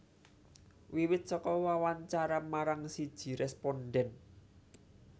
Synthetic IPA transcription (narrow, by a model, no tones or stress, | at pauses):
wiwɪt̪̚sɔkɔwawaɲt͡ʃaɾamaɾaŋsid̥ʒ̥i̤ɾɛspɔnɖɛn